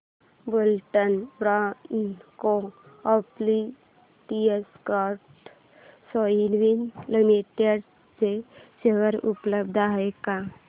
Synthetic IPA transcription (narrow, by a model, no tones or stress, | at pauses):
bolʈənbɾankoɔpli | ʈieskaɾʈ | sɔilʋinlimiʈeɽ | t͡seɕeɦəɾṵpləb̚d̪ʱaɦeka